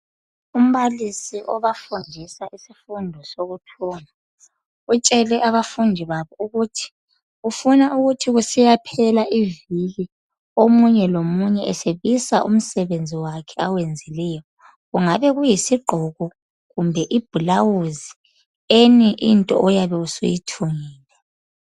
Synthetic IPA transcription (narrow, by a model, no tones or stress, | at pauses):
um̩βalisiʔɔβafundʱisaʔisifundʱɔsoɣutʰɔːna | ut͡ʃʼɛlɛʔaβafundʱiβaβɔuɣutʰi̥ | ufunaʔuɣutʰiɣusijapʰɛlaʔiviɣi | omuɲɛlomuɲɛʔɛseβisaʔṵm̩sɛβend͡zʱiwakʰɛawend͡zʱilɛjɔ | ɣuŋaβɛɣujisiɡ͡ǃʱɔɣɔ | ɣumbʱɛʔib̥ʱulawuzi | eniʔintʼɔ̰ʔɔjaβɛusṵjitʰuŋiːlɛ